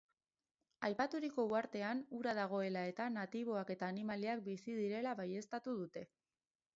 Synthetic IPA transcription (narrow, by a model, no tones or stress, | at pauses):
ajpat̪uɾiko̞uaɾt̪e̞anuɾaðaɣ̞o̞e̞lae̞t̪anat̪iβ̞o̞ake̞t̪aːnimaliak̚bisið̞iɾe̞laβaje̞st̪at̪uð̞ut̪e̞